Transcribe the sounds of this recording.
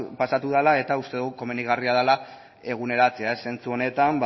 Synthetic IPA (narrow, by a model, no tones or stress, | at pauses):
pasat̪uðalae̞t̪aust̪euɣuko̞me̞nd̪iɣariað̞ala | e̞ɣ̞une̞ɾat͡seaesːe̞nt͡suo̞ne̞t̪amb